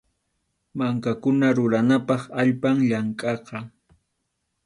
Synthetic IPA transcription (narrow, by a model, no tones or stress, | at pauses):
maŋkakʊnaɾʊɾanapɑχaʎpaŋʎaŋkʼɑqɑ